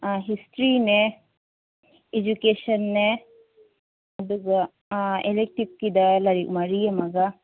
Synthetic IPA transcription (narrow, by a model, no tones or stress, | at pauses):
ɦisʈɾine | ed͡ʒukeːʃɐnːe | ɐd̪uɡɐ | elek̚ʈik̚kid̪ɐlɐɾiʔṵmɐɾijɐmɐɡɐ